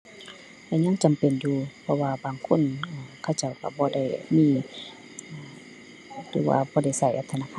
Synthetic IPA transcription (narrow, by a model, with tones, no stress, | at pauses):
lɛ˧˨ɲa˧˥˨ŋt͡ɕa˨mpe˨njuː˧pʰɔ˧waː˧baː˨ŋkʰo˧˥˨nː˧˩kʰa˧˩˨wt͡ɕa˧˩wka̰˧˩bɔː˧˦da˧˩˨jmiː˧˥˨ | lɯː˨˦wa̰ː˧bɔː˧˦da˧˩˨jsa˧˩jʔa˧˩t̪ʰːnaː˧kʰaː˧˨